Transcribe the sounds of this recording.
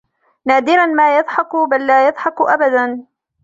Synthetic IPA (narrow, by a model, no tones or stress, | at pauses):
naːd̪ɪɾanmaːjɑðˤħɑkbalːaːjɑðˤħɑkʔabad̪an